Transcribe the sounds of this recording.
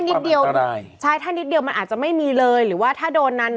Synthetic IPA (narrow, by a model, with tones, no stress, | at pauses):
ni˦˥t̪̚di˧əw | t͡ɕʰaː˥˩jt̪ʰaː˥˩ni˦˥t̪̚di˧əwma˧nʔaː˨˩t̪̚t͡ɕa˨˩ma˥˩jmiː˧lɤː˧jɾɯː˩˦waː˥˩t̪ʰaː˥˩doː˧nːa˦˥n